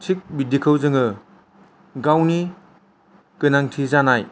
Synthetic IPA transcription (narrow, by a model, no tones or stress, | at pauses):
tʰik̚bidikʰɯwzɯŋɯ | ɡawni | kɯnaŋtʰizanaj